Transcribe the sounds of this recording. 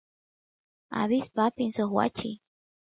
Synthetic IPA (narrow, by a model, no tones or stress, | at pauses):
a̰βispapinsoxwa̰t͡ʃḭ